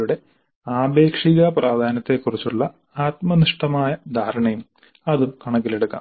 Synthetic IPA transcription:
uɽe̞ | aːbe̞ːkʂiɣɐprʔaːd̪ʱaːnɐt̪ːe̞kːurit͡ɕːuɭːɐ | aːt̪mɐniʂʈɐmaːjɐd̪ʱaːɾɐɳɐjum | ɐðumkɐɳɐk̬ːileɽukːɐ̰

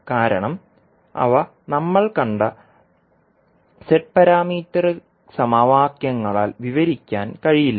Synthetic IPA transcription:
kaːɾɐɳɐm | ɐ̰ʋɐ | nɐmːɐɭkɐɳɖɐ | seʈ̚pɐɾaːmiːt̪ːɐrɨ | sɐmaʋaːkjɐŋːɐɭa̰ːlʋiʋɐɾikʲːaːnkɐɻijilːɐ

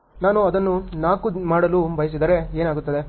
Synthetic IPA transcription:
naːnuɐd̪ɐnːunaːkumaːɽɐlubɐjɐs̬id̪ɐɾe̞eːnaːɡut̪ːɐd̪e

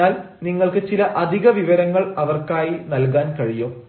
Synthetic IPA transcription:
aːl | niŋːɐɭkɨt͡ɕilɐʔɐd̪ʱiɣɐʋiʋɐɾɐŋːɐɭɐʋɐrkaːjinɐlkaːnkɐɻijoː

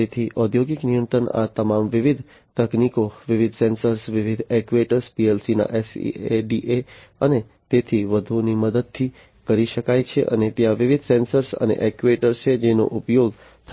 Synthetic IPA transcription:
t̪et̪ʰiʔɔd̪ʱjoɡiknijənt̪ɾəna̰t̪əmamʋɪʋid̪ʱ | t̪əknikoʋɪʋɪd̪ʱsɛ̃nsəɾsʋɪʋid̪ʱɛkʋeʈəɾspiɛlsina̰ʔɛsḭeɖiʔeəne | t̪et̪ʰiʋəd̪ʱuniməd̪əd̪̚t̪ʰːi | kəɾiʃəkajt͡ʃʰeʔə̰net̪jãʋɪʋɪd̪ʱsɛ̃nsəɾsə̰nḛʔɛkʋeʈəɾst͡ʃʰed͡ʒeno̰ʔupjoɡ | t̪ʰ

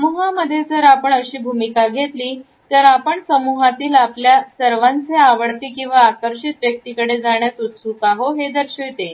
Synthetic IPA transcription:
muɦaməd̪ʱːjed͡zəɾapəɳəɕiːbʱumikaɡʱet̪liː | t̪əɾapəɳsəmuɦat̪iːlapljasəɾʋant͡seaʋəɽt̪iːkĩw̃ʋaːkəɾɕit̪ʋjək̚t̪iːkəɽed͡zaɳjat͡sut̪sukaɦoɦed̪əɾɕojt̪e

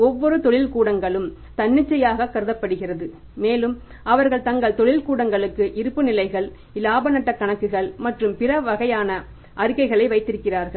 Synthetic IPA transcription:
ɔʋːɔɾɯt̪ɔɭɪlkuːɽɐŋɡɐɭɯm | t̪ɐɳːɪt͡ʃːɐjaːɣɐkːɐɾɯðɐpːɐɽɯɣɪrɐðɯ | meːlɯm | ɐʋɐɾɣɐɭt̪ɐŋɡɐɭt̪ɔɭɪlkuːɽɐŋɡɐɭɯkːɯʔɪɾɯpːɯnɪlɐɪɣɐɭ | laːbɐnɐʈːɐkːɐɳɐkːɯɣɐɭmɐʈrɯmpɪrɐʋɐɣɐjaːnɐ | ʔɐɾɯkːɐɪɣɐɭɐɪʋɐɪt̪ːɪɾɯkːɪraːɾɣɐɭ

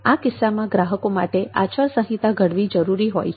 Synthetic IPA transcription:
akɪsːamãɡɾaɦəkomaʈea̰t͡ʃʰəɾsə̃ɦit̪aɡʱəɽʋid͡ʒəɾuɾiɦo̰j

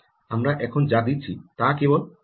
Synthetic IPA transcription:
amɾaʔɛkʰond͡ʑad̪itːt͡ɕʰit̪akebol

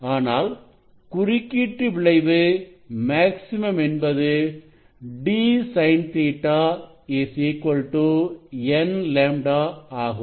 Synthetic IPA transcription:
aːnaːl | kʊrɪkːiːʈːɯʋɪɭɐɪʋɯ | maːksɪmɐmɛnbɐðɯ | ɖiːsɐɪnt̪eːʈːaː | eːsekːɔɭʈːuɛnleːmɖaːaːɣɯm

